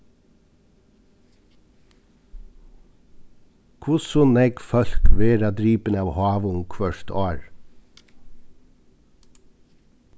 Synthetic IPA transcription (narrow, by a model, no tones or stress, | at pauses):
kʰʊsɔnɛɡfœlkʋeːɾɑd̪ɾiːpənəɑːʋhɑːʋʊŋkʰʋœʃt̪ɑːɹ